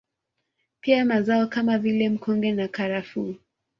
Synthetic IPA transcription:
piamazaɔkamavilɛm̩kɔŋɡɛnakaɾafu

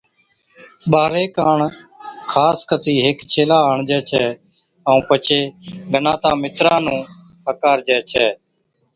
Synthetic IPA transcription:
ɓaːɾeːkaːɳkʰaːskʰət̪iːɦɪkt͡ʃʰeːlaːəɳd͡ʒɛːt͡ʃʰɛː | əũːpət͡ʃʰeːɡʱənãːt̪ãːmɪt̪ɾãːnũː | əkaːɾd͡ʒɛːt͡ʃʰɛː

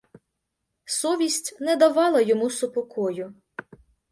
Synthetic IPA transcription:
sɔʋʲisʲtʲnɛd̪ɐʋɑlˠɐjɔmusʊpɔkʰɔjʊ

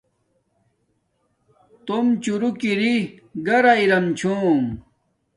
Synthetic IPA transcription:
t̪omt͡ɕuɾukiɾiɡɐɾaiɾɐmt͡ɕʰuːm

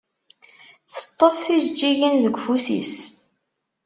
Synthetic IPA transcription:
θə̥t̪ˤːəfθizd͡ʒːiʝinðəɡʷfusḭs

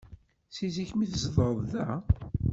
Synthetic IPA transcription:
siziçmiθzðˤɾˤəðˤðæ

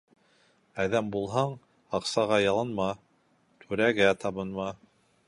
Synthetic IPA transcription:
æðæmbulˠɦɑɴ | ɑqsɑʁɑjɑlˠɤ̆nmɑ | t̪ʰʉɾæɡæt̪ɑβɤ̆nmɑ

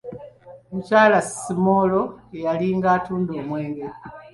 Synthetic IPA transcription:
mucaːlasimoːlo̞ejaliːŋɡaːtuːndo̞ːmwe̞ːŋɡe

